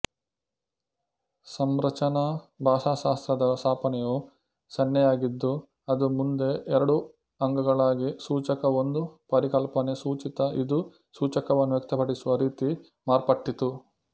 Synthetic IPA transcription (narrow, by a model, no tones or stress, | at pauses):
sɐmɾɐt͡ʃɐnɐbʱaːʃaːʃaːst̪ɾɐd̪ɐsʰaːpɐnɛjo | sɐnjɐjaːɡid̪ːu | ɐd̪umund̪e̞ʔɛɾɐɽu | ɐŋɡɐɡɐɭaːɡisuːt͡ʃɐkɐond̪upɐɾikɐlpɐnesuːt͡ʃit̪ɐʔid̪u | suːt͡ʃɐkɐʋɐnːuʋjek̚t̪ɐpɐɽisuʋɐɾiːt̪i | maːɾpɐʈːit̪u